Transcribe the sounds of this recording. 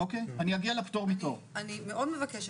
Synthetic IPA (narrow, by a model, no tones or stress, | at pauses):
okejaniaɡialeptoʁmitoʁanimeʔo̞dmevakeʃ